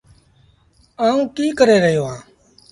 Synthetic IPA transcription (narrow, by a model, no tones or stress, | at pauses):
aːũːkiːkəɾeːɾəɦjoːɦãː